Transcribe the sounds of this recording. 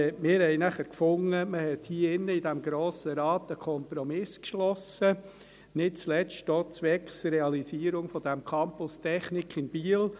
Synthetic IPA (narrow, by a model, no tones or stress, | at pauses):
mɪːɾhɛɪnæχəɾkfʊŋəməhɛt̪hiːəɪnːəidæmɡɾoːsəɾɑːt̪əkʰɔmpɾɔmɪskʃlɔsə | nɪt̚t͡slɛstd̥oːt͡sʋɛkχsɾɛɑlisiːəɾʊŋfɔd̥̪æmkʰɑmpʊstʰɛχnɪkʰɪnb̥iːəl